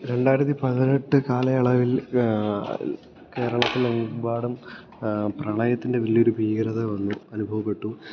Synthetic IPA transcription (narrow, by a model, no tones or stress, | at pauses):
ɾe̞ɳɖaːjiɾɐt̪ːipɐðineʈːɨkaːlɐɐɭɐʋil | ke̞ːɾɐɭɐt̪ːileŋbaːɽum | prɐɳɐjɐt̪ːinde̞ʋiɭjio̞ɾubʱiːɡɐɾɐðɐʋɐnːuɐnubʱɐʋɐpːe̞ʈːu